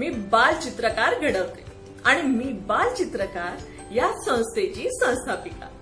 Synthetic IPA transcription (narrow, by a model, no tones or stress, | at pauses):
miːbalt͡ɕit̪ɾəkaɾɡʱəɽəʋt̪e | aɽ̃imiːbalt͡ɕit̪ɾəkaɾ | jasə̃w̃st̪et͡ɕiːsə̃w̃st̪ʰapika̰